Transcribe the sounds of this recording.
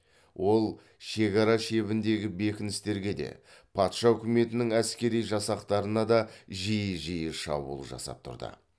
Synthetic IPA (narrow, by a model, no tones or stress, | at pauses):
wʔo̞lˠ | ʃe̞kɑɾɑʃe̞βɪnd̪e̞ɡʲɪbe̞kʲɪnɪst̪e̞ɾɡʲe̞d̪e̞̰ | pʰɑt̪ʃɑɵkʲɪme̞t̪ɪnɪŋæskʲe̞ɾijʒɑsɑqt̪ɑɾənɑd̪ɑʒijəʒijɪʃɑ̰bṵlˠəʒɑ̰sɑ̰p̚t̪ʰʊ̰ɾd̪ə̰